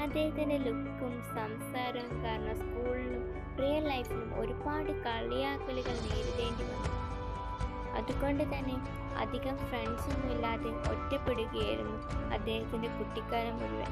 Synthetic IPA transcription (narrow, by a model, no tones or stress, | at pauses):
ɐd̪ːe̞ːhɐt̪ːindelukkːumsɐmsaːɾɐumkaːɾɐɳːɐskuːɭilum | prijɐrlɐjfumo̞̰ɾubaːɽɨkɐɭːijaːkːɐluɣɐɭneːɾuðe̞ːɳɖiʋɐnːuː | ɐ̰ðuɣo̞ɳɖɨt̪ɐnːe̞ | ɐ̰d̪ʱiɣɐmfrend͡ʑinːumilːaːðeʔo̰tːɐpːe̞ɽuɣɐjajiɾunːuɐ̰d̪ːe̞ːhɐt̪ːinde̞kuʈːikːaːɾɐmʋɐɾuʋɐ̰